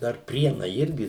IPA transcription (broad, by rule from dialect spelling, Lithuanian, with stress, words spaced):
dɐr ˈpʲrʲiɛnɐɪ ˈɪrʲɡʲɪ